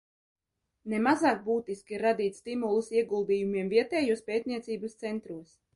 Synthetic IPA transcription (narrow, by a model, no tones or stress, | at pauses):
nɛmazɑːk̚buːt̪iskʲiiɾːad̪iːt̪st̪imulˠusiɛɡulˠd̪iːjumiɛmviɛt̪ɛːjuɔspʲeːt̪̚ʲniɛt̪siːbast̪sɛnt̪ɾuɔs